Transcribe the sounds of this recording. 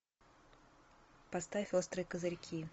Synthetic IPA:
pɐst̪aost̪ɾɨjkəzɐɾʲkʲʰi

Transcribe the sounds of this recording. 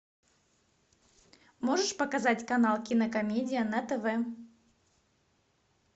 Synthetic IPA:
moʐɨʂpəkɐzatʲkɐnɑlˠkʲɪnəkɐmʲedʲɪjənɐt̪ɛvɛ

